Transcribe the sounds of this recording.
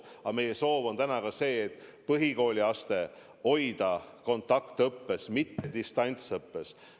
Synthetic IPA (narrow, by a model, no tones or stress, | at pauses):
ɑme̞jeso̞ːvo̞nt̪ænɑkɑse̞ːt̪ːˑpɤɦiko̞ːlʲiɑst̪e̞ | o̞jd̪̥ɑko̞nt̪ːˑɑkt̪ɤpːe̞smit̪ːed̪ist̪ɑnʲt̪sɤpːe̞s